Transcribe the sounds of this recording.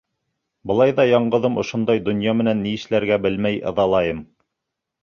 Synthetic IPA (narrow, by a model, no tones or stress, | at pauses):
bɤ̆lˠɑjðɑjɑɴɢɤ̆ðɤmŏʃond̪ɑjd̪ŏnjɑmɘ̆nænːiɘ̆ʃlæɾɡæbɘlmæjɤ̰̆ðɑlˠɑjɤm